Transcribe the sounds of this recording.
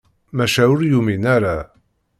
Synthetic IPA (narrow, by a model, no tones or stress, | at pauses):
mæʃæʊɾjuminæɾa